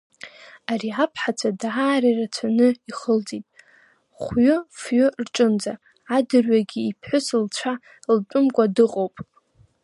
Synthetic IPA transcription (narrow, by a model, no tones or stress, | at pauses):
ariapʰħat͡sʷʰʼadaaːɾarat͡sʷʰanɨiχəld͡zʼitʼ | χʷɥʊfɥʊrʈ͡ʂʼɨnd͡za | adɨrɥaɡʲiːpʰħʊsɨlt͡ɕʷʰa | ltʷʼʊmkʷʼadɨqʼowpʼ